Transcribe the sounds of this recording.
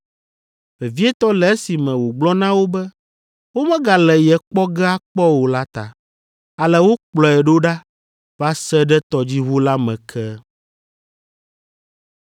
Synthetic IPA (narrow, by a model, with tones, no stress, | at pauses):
mɛ˨vi˦ɛ˦t̪ɔ˦lɛ˨e˦si˨mɛ̃˨wo˨ɡ͡blɔ˦nã˦wo˦bɛ˦ | wo˦mɛ̃˦ɡa˨lɛ˨jɛ˨k͡pɔ˦ɡɛ˦a˦k͡pɔ˦wo˨la˦t̪a̰˨ | a˨lɛ˨wo˦k͡plɔ˨ɛ˨ɖo˦ɖa˦ | va˦sɛ˦ɖɛ˦t̪ɔ˨d͡ʑi˦ɦu˦la˦mɛ̃˨kʰɛ˦